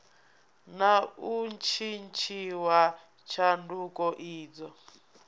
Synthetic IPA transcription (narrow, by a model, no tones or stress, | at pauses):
naunt͡ʃʰint͡ʃʰiwa | t͡ʃʰandukɔʔiːd͡zɔ